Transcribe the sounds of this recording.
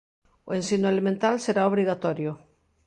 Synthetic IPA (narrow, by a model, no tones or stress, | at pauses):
oẽnsinoelemẽnt̪alseɾaoβ̞ɾiɣat̪oɾjo